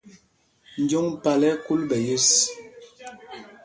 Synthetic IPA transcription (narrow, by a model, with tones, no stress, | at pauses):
n̩˦d͡ʒo˦ŋpa˨lɛ˦ku˦lbɛ˨jə˦s